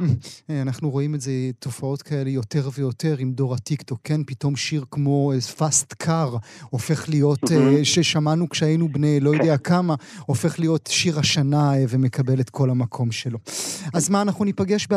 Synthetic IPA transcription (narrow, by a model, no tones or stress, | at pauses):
meanaχnuʁo̞imezetʰo̞fao̞tkʰae̞lejo̞te̞ʁvejo̞te̞ʁimdo̞ʁatikto̞kʰːenpito̞mʃiʁkmo̞fastkʰaʁofeχlijo̞tʃeʃamanukʃeajjnubnejlo̞jodeakamaofe̞χlijo̞tʃiʁaʃanaveme̞kabe̞letkʰo̞lamakʰo̞mʃelo̞azmaːnaχnunipaɡe̞ʃb